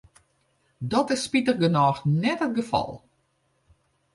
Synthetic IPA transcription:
dɔtɪsːpitərɡənɑːxnɛtət̚ɡəfɑ̰lˠ

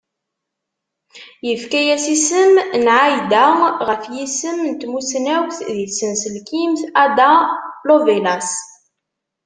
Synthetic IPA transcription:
jəfkæjæsisəmnʕajd̪æʁəfjisəmnt̪musnæwθðisənsəlkimθæd̪alovelas

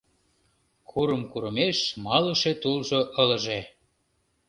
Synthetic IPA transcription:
kʰuɾəmkuɾəmeʃmɑlə̆ʃet̪ulʒoʔələ̆ʒe

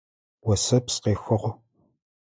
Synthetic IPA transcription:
wɐsɐpsqeːxʊʁʷ

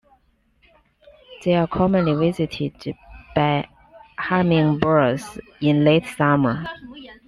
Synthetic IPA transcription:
ðeɪəkʰɔmə̃nliwɪzɪtʰɪdb̥aɪ | hamɪ̃ŋbɜzɪ̃nleɪtsamə˞

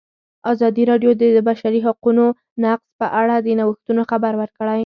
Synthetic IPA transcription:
azɑd̪iɾɑɖjod̪əd̪əbaʃaɾiɦaquno | naqspəʔaɽad̪ənawəxt̪unoxabaɾwəɾkɽaj

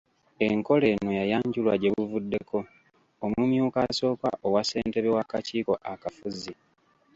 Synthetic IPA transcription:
e̞ŋko̞le̞nojajaːɲɟulwa̰ɟe̞βuvudːe̞ko̞ː | mumjuːkaso̞ːka̰ʔowase̞ːnte̞βewakaciːko̞ʔakafuzi

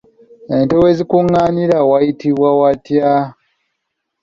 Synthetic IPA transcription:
e̞ntowezikuŋːaːniɾawajitiβwawatja

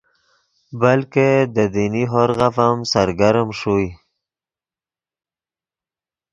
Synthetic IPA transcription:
balked̪əd̪iniɦoɾɣafamsaɾɡaɾəmʂuj

